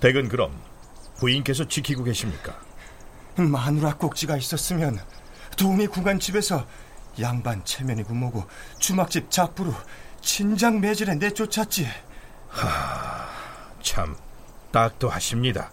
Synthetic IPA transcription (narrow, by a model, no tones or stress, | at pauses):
te̞ɡɯnkɯɾʌ̰m | puink͈e̞s̬ʰʌt͡ɕikʰiɡoɡe̞ɕʰimɲik͈ḁ | manuɾak͈ok̚t͡ɕ͈iɡais͈ʌs͈ɯmjʌn | tonikuɡant͡ɕ͈ibe̞sʰʌ | jaŋbant͡ɕʰe̞mjʌnikumoɡot͡ɕumak̚t͡ɕ͈ip̚t͡ɕap͈uɾot͡ɕʰind͡ʑaŋme̞d͡ʑiɾene̞t͡ɕ͈ot͡ɕʰat͡ɕ͈i | a | t͡ɕʰa̰m | t͈ak̚t͈ohaɕʰimɲida̰